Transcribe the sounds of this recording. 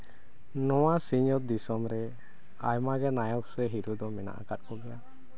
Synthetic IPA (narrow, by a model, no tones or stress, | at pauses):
nɔwasiɲɔt̪̚d̪isɔmɾɛ | ajmaɡɛnajɔk̚sɛɦiɾud̪ɔmɛna̰ʔa̰kat̪̚kɔɡɛja